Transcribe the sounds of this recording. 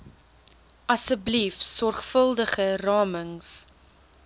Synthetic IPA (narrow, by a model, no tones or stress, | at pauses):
ʔɐsəblifsɔrχfəlˠdəχərɑːməŋs